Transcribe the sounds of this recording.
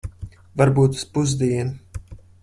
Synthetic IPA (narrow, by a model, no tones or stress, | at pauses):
vaɾbuːt̪u̥spuzd̪iɛn